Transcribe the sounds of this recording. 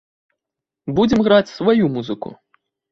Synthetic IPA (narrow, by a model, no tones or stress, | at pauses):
bud͡zʲɛmɣɾat͡sʲsvajumuzɨkṵ